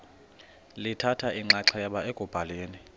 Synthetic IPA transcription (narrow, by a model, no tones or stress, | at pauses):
litʰatʰaʔiŋ͡ǁaǀɛaɓaeɡ̥ʱʼub̥ʱaleːni